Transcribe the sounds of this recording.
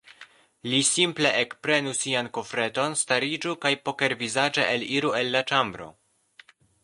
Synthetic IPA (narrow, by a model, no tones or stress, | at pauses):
lisimple̞ʔekpɾe̞nusianko̞fɾe̞to̞nstaɾid͡ʒukajpo̞ke̞ɾvizad͡ʒeʔeliɾue̞lːat͡ʃambɾo̞̰